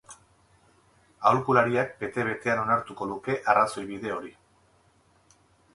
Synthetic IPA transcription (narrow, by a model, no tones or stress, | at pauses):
awlkulaɾiak̚be̞t̪e̞β̞e̞t̪e̞ano̞naɾt̪uko̞ðuke̞ʔaraso̞jβiðe̞o̞ɾi